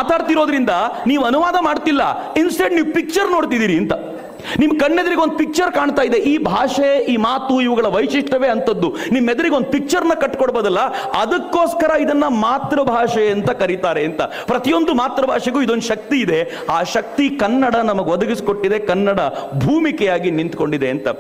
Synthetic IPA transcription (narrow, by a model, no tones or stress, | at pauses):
maːt̪aːɽt̪iɾo̞ːd̪ɾind̪ɐniːʋɐnuʋaːd̪ɐmaːɽt̪ilːɐ̰ | insʈeɖniːʋpik̚t͡ʃɐɾno̞ːɽt̪id̪iːɾiɐnt̪ɐ | nimːkɐɳːed̪ɐɾiɡeo̞nd̪upik̚t͡ʃɐɾkaːɳt̪aːjd̪e̞ʔiːbʱaːʂɐʔiːmaːt̪uiʋɐɡɐɭɐʋɐjʂiʂʈɐʋe̞ːɐnt̪ɐd̪ːunimːed̪ɐɾiɡeo̞nd̪upik̚t͡ʃɐɾnːɐkɐʈːkoɽboːd̪ɐlːɐ | ɐd̪ɐkːo̞ːskɐɾɐid̪ɐnːɐmaːt̪ɾɐbʱaːʂɐɐnt̪ɐkɐɾit̪aːɾe̞ɐnt̪ɐ | pɾɐt̪ijo̞nd̪umaːt̪ɾɐbʱaːʂɐɡuːid̪o̞nd̪uʃɐk̚t̪iːd̪e̞ | aːʃɐk̚t̪ikɐnːɐɽɐnɐmɐɡeʋod̪ɐɡisi̥ko̞ʈːid̪e̞kɐnːɐɽɐbʱuːmikɛjaːɡinint̪ko̞ɳɖid̪eɐnt̪ɐ